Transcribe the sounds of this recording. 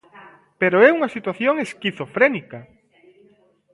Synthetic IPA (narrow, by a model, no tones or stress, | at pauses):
peɾoɛuŋɐsit̪waθjoŋeskiθofɾɛnika